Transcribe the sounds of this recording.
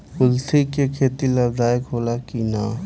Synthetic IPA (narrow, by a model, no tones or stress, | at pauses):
ʊlt̪ikekʰeːt̪ilɐbd̪aːjkɦoːlakiːnaː